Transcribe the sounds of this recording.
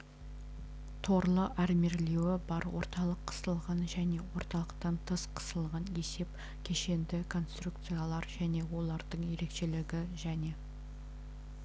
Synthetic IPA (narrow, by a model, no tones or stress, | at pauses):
t̪ʰo̞ɾlˠəʔæɾme̞ɾlewɪbɑɾwʔo̞̰ɾt̪ɑlˠəqʰːə̥st̪əlˠʁɑnʒæne̞wo̞ɾt̪ɑlˠəqt̪ɑnt̪ʰəsqʰə̥səlˠʁɑne̞se̞p | kʲʰe̞ʃe̞nd̪ɪkʰo̞nst̪ruk̚t̪sɨjalˠɑɾʒæne̞wo̞lˠɑɾd̪əɴje̞ɾe̞kʃe̞lɪɡʲɪʒæne̞